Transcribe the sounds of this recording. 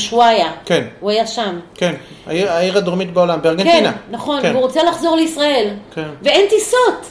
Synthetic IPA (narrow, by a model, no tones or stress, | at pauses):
ʃwajakenuajaʃamken | aiaiʁad̪oʁmit̪beolambeaʁɡenktinanaχo̞nveuʁot͡salaχzo̞ʁleisʁae̞lkeveent̪isot̪